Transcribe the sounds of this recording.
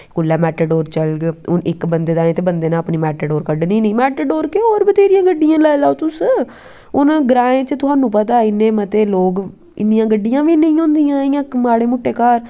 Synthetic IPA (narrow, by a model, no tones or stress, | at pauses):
kʊlːɛːmɛːʈəɖoːɾt͡ʃəlɡʊnɪkbənd̪eːd̪aːẽːt̪eːbənd̪eːnãːəpniːmɛːʈəɖoːɾkəɖnĩːnəĩːmɛːʈəɖoːɾkeoːɾbət̪eːɾɪjãːɡəɖːijãːlɛːlaːot̪ʊs | ʊnɡɾaːẽːt͡ʃət̪ʊsaːnũːp̬ət̪̬aːɪnːẽːmət̪eːloːɡ | ɪ̰nd̪ɪjãːɡəɖːɪjãːʋiːnəĩːɦõːnd̪ijãːiãːkmaːɽeːmʊʈːeːkaːɾ